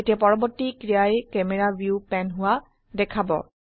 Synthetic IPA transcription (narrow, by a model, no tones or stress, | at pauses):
etiapɔɹɔbɔɹtːikɹijajkɛmɛɹabjupɛnɦʊwa | dɛkʰabɔ̰